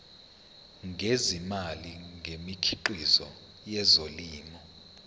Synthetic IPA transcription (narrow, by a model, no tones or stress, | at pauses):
ŋʱezimaliŋʱemikʰiǃizɔ̰ | jɛzoliːmɔ